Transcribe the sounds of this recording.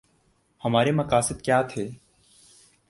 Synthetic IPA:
həmaːɾemɐkaːsɪt̪kjaːt̪ʰeː

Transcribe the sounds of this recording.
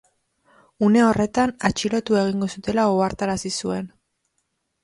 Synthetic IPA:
une̞o̞re̞t̪anat͡ʃiɾo̞t̪ue̞ɣ̞iŋɡo̞sut̪e̞laoaɾt̪aɾasisue̞n

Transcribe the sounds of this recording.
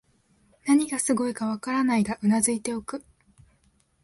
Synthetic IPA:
naɲ̟iɡasɨɡo̞ikaβakaɾanaid̪aʔɯ̟nazɨit̪e̞o̞kɯ̟

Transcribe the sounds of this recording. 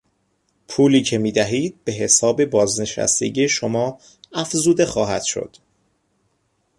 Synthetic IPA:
pʰuːliːcʰe̞miːd̪æɦiːd̪̚be̞ɦe̞sɒːbe̞bɒːzne̞ʃæ̰st̪e̞̰ɟijeʃomɒː | æfzuːd̪e̞xɒːɦæd̪̥ʃo̰d̪̥

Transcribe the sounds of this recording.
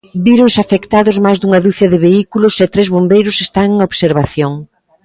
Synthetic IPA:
biɾoŋsafekt̪aðʊzmajzðuŋɐðuθɐðɪβeikulʊsɛt̪ɾezβombejɾʊsest̪aŋeŋoβseɾβaθjoŋ

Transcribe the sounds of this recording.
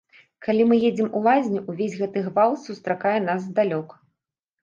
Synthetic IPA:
kalʲimɨjed͡zʲɛmulˠazʲnʲuʔuvʲezʲɣɛt̪ɨɣvalˠsust̪ɾakajɛnazd̪alʲɔk

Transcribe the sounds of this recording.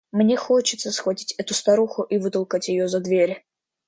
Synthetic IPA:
mnʲexot͡ɕɪt̪səsxvɐtʲi̥tʲɛt̪ʊst̪ɐɾuxʊʔivɨt̪əlˠkatʲjɪjozɐd̪vʲeɾʲ

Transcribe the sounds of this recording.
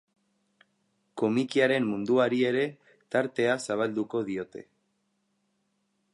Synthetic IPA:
ko̞mikiaɾe̞mmund̪uaɾie̞ɾe̞ | t̪aɾt̪e̞asaβ̞ald̪uko̞ð̞io̞t̪e̞̰

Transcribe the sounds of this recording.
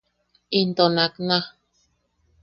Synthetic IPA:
int̪onakna

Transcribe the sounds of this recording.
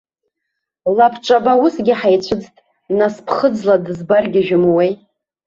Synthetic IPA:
lapʰʈ͡ʂʷʼabausɡʲɪħajt͡ɕʷʰɨd͡ztʼ | naspʰχəd͡zladɨzbarɡʲaʒᶣʊmwej

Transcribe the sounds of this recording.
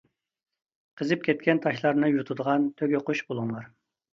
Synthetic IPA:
qʰəzɨp̚kʲʰɛt̪̚kʲɛnt̪ʰɑʃlˠɑɾnɨjut̪ʰud̪əʁɑnt̪ʰøɡʲøquʃbolˠuŋlˠɑɾ

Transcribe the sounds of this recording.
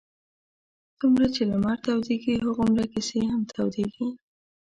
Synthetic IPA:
t͡sumɾat͡ʃelamaɾt̪awd̪eɡiɦəɣomɾakɪseɦamt̪ʰawd̪eɡi

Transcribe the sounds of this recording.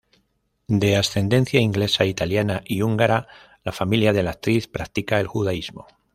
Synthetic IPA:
d̪e̞asθe̞nd̪e̞nθjaiŋɡle̞sait̪aljanaʔiuŋɡaɾa | lafamiljað̞e̞lak̚t̪ɾiθpɾak̚t̪ikae̞lxuðaizmo̞

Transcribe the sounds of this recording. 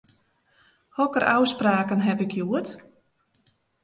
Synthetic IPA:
hɔkəɾʔa̰wspraːkənɦɛpɪkʰjuət

